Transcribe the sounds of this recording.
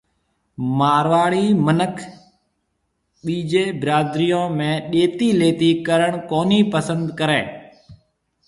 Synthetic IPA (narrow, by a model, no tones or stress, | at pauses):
maːɾʋaːɭiːmənəkʰ | ɓiːd͡ʒeːbɾaːd̪ɾijõːmẽːɗeːt̪iːleːt̪iːkəɾəɳkoːniːpəsənd̪kəɾẽː